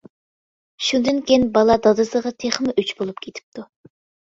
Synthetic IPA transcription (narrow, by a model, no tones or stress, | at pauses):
ʃund̪ɨnkʲeinbɑlˠɑd̪ɑd̪ɨsəʁɑt̪ʰeχmɪʔyt͡ʃbolˠup̚kʲʰet̪ʰɪ̥p̚t̪ʰu